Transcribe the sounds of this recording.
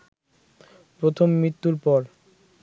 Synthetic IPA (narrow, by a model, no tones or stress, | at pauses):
pɾot̪ʰomːɾit̪ːuɾpɔɾ